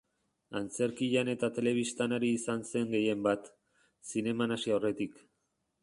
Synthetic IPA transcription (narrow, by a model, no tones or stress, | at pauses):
ant͡se̞ɾkiʎane̞t̪at̪e̞le̞β̞ist̪anaɾiːsanse̞ŋɡe̞je̞mbat̪ | sine̞manasiawre̞t̪ik